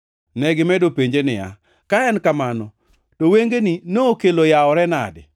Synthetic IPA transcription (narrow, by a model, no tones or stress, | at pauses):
nɛɡɪmɛdopeɲd͡ʒenɪa̰ | kaɛnkamanɔ | toweŋɡeninoːkelojaɔɾɛna̰dɪ̰